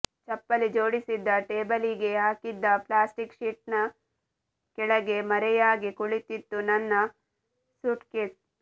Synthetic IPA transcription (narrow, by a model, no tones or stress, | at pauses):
t͡ʃɐpːɐlid͡ʒoːɽisid̪ːɐʈeːbɐliɡeɦaːkid̪ːɐplaːsʈikʃiʈ̚nɐ | kɛɭɐɡemɐɾejaːɡikuɭit̪it̪ːunɐnːɐ | suʈke